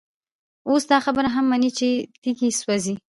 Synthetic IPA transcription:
osd̪ɑxabəɾaɦamːanit͡ʃet̪iɡiswazi

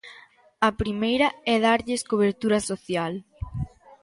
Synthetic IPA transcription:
ɐpɾimejɾɐɛðaɾʎɪskoβ̞eɾt̪uɾɐsoθjal

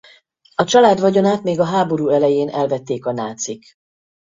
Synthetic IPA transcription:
ɒt͡ʃɒlaːd̪ʋɒɟo̞naːt̪meːɡɒɦaːbo̞ɾuːɛlɛjeːnʔɛlvɛt̪ːeːkɒnaːt̪sik

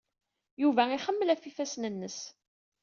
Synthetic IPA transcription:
juvæiχəmːəlæfifæsnənːəs

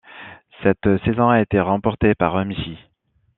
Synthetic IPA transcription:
sɛt̪sezɔ̃aet̪eʁɑ̃pɔʁt̪epaʁœmisi

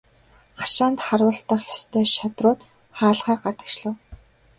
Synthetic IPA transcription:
χḁʃaːnt̪χarwə̆ɬt̪ə̆χjɔst̪ʰœːʃat̪rʊːt̪ | χaːɮχaːrɢat̪ə̥̆kʃɮə̆w

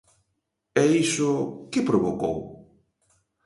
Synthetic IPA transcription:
ɛisʊkɪpɾoβoko̰w

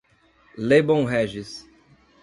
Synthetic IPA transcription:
lebõɦɛʒɪs

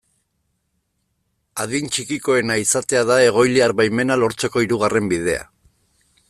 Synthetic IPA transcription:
aðint͡ʃikiko̞e̞naisat̪e̞aðae̞ɣ̞o̞jliaɾβajme̞nalo̞ɾt͡se̞ko̞iɾuɣ̞are̞mbið̞e̞a̰

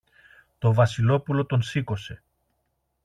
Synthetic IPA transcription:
t̪o̞vɐsilo̞pulo̞t̪o̞nsiko̞se

